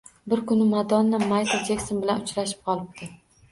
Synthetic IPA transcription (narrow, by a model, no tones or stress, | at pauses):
bɪɾkʊnɪmad̪ɒnːɪmajt̪ʰad͡ʒakʲsonbɪlanʊt͡ʃɾaʃɪ̥p̚qʰɒlˠɪb̚t̪ʰɪ